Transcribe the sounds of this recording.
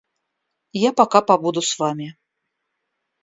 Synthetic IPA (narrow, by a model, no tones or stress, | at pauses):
japakapabud̪usvamʲi